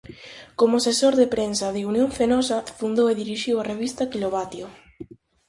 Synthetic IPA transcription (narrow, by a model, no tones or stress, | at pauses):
komʊsesoɾðepɾensɐðeunjõɱfenɔsɐfund̪oweðiɾiʃiwareβ̞ist̪akiloβat̪jo